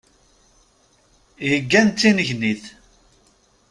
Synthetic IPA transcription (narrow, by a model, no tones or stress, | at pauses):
jəɡːænt͡s̪ːinəʝniθ